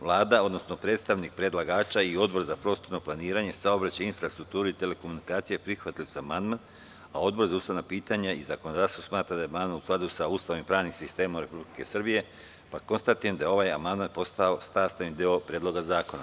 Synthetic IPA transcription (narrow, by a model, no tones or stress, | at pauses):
ʋlˠaːd̪ao̞d̪no̞sno̞pɾet̪st̪aʋnik̚pɾe̞d̪lˠaɡaːt͡ʃaio̞d̪̚bo̞ɾzapɾo̞ːst̪oɾno̞plˠaniːɾaɲe̞saobɾat͡ɕainfɾast̪ɾuk̚t̪uːɾuit̪e̞le̞komunikaːt̪sijepɾixʋat̪ilusaamand̪man | ao̞d̪̚bo̞ɾzaust̪aʋnapiːt̪aɲaizako̞nod̪aːst̪osmaːt̪ɾad̪aemand̪manusklˠad̪usaust̪aʋimpɾaːʋnimsist̪eːmomɾe̞publike̞srbije̞ | pakonst̪at̪ujemd̪ajeo̞ʋajamand̪manpo̞st̪ao̞st̪aːst̪anid̪io̞pɾed̪lo̞ɡazaːko̞na̰